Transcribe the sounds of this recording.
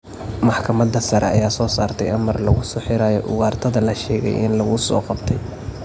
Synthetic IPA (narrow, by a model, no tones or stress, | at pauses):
mɑħkʰɐmɐd̪ɐsɐɾɛ̰ɐ̰jaːsɔːsaːrt̪ʰɛjʔɐmɐrlɐɣʊsɔːħɪɾaːjɔʔʊɣaːrt̪ʰɐðɐlɐʃɛːɣɛ̰jʔɪ̰nlɐɣʊsɔ̰ːqɑbt̪ʰɛj